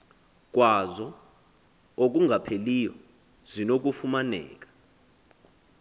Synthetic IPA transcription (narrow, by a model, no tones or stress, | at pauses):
k̬ʼwazɔ | ok̬ʼuŋʱapʰelijɔ | zinok̬ufumanɛ̰ːk̬ʼḁ